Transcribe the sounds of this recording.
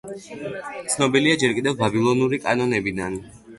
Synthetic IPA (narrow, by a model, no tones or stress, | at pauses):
t̪sʰnɔbiliad͡ʒɛɾkʼid̪ɛvːabilˠɔnuɾikʼa̰nɔnɛbid̪an